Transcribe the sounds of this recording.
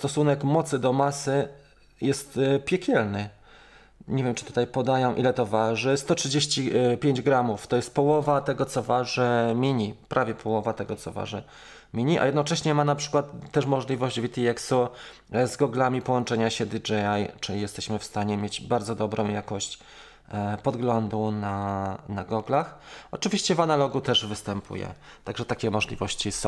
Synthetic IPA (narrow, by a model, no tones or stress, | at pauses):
st̪ɔsunɛkmɔt̪sɘd̪ɔmasɘ | jɛst̪pʲjɛkʲɛlnɘ | ɲevʲjɛmt͡ʂɨ̥t̪u̥t̪ajpɔd̪ajɔ̃w̃ʔḭlɛt̪ɔvaʐɘst̪ɔtʂɘd͡ʑeɕt͡ɕipʲjeɲd͡ʑɡɾamuft̪ɔjɛst̪̚pɔwɔvat̪ɛɡɔt̪sɔvaʐɛmʲiɲipɾʔavʲjɛpʰɔwɔvat̪ɛɡɔt̪sɔ̰va̰ʐɛ̰ | mʲiɲiʔa̰jɛd̪nɔt͡ʂɛɕɲɛmanapʂɘkwat̪ːɛʂmɔʐlʲivɔʑd͡ʑvʲit̪ʲiɛksu | zɡɔɡlamʲipɔwɔnt͡ʂɛɲaɕɛd̪ʲid͡ʐɛajt͡ʂɘlʲijɛst̪ɛɕmɘfst̪aɲɛmʲjed͡ʑbaɾd̪zɔd̪ɔbɾɔ̃w̃jakɔɕt͡ɕ | pɔd̪ɡlɔnd̪unanaɡɔɡlaxɔt͡ʂɘvʲiɕt͡ɕɛvanalɔɡut̪ɛʐvɘst̪ɛmpʰṵjɛ̰ | t̪aɡʐɛt̪akʲɛmɔʐlʲḭvɔɕt͡ɕisɔ̃